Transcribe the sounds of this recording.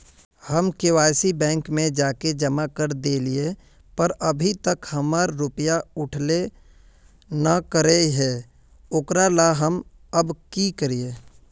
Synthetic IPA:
həmkɪwaːɪsibɛ̃ːŋkmẽd͡ʒaːked͡ʒəmakəɾd̪eːlie | pəɾəbʱit̪əkhəmaɾːʊpəjaʊʈʰle | nəkəɾeɦɛː | oːkɾalaɦəm | əbkikəɾieː

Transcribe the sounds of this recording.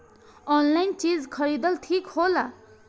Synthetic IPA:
ɔnlaint͡ʃid͡zkʰʌɾid̪ʌlʈʰikhola

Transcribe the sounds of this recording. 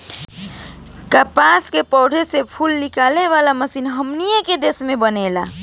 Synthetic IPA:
kapaːskepɔːɖʱesepʰulnɪkaːleʋaːlaməsiːnɦəmnijeked̪eːsmẽbəneːla̰ː

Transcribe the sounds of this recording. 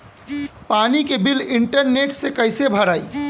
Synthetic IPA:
paːnikebilɪɳʈəɾneːʈsekəɪsebʱəɾaːḭ

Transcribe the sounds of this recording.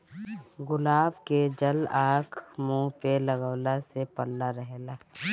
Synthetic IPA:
ɡʊlaːbked͡ʒəlaːkʰmũːpeləɡəwlasepəɽlaɾəɦlaː

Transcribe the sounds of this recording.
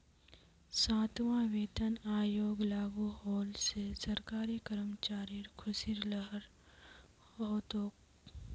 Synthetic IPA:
saːt̪ʋãʋeːt̪ənaːjoːɡlaːɡuɦoːlsesɐɾkaːɾikəɾmt͡ʃaːɾiɾkʰʊsiɾləɦəɾ | ɦoːt̪oːk

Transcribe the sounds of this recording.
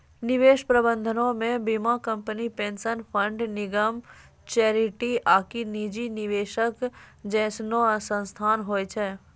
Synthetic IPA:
nɪʋeːʃpɾəbə̃nd̪ʱənõmẽbimakə̃mpənipẽːnsənpʰə̃ɳɖnɪɡəm | t͡ʃɛːɾɪʈiʔaːkiniːd͡ʒinɪʋeːʃəkd͡ʒɛ̃ːsnosə̃nst̪ʰaːnɦoːjt͡ʃʰɛː

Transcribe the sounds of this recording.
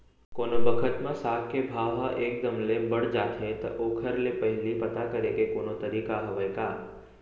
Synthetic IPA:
konobəkʰət̪mãsakebʱaʋaʔeːk̚d̪əmlebəɽd͡ʒat̪ʰẽt̪o̰ʔokʰəɾlepəɦɪlipət̪akəɾekekoːnot̪əɾiːkaɦəʋəjka

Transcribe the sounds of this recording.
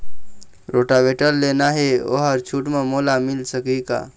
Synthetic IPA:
ɾoʈabeʈəlːenaɦeo̰ɦəɾt͡ʃʰuʈmẽmolamilsəkika̰

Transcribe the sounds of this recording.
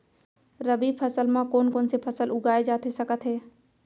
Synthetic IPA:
ɾəbipʰəsəlmãkoːnkoːnsepʰəsəlʊɡaːed͡ʒaːt̪esəkət̪ɦɛː

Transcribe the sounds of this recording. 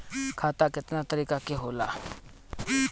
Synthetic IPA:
kʰaːt̪aːkɪt̪nat̪əɾiːkakeɦoːla̰ː

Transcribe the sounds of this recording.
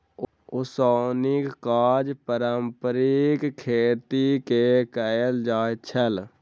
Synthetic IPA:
ʊsoːnɪkkaːd͡ʒpəɾəmpəɾikkʰːeːt̪ikekəjəld͡ʒaːt͡ʃʰəl

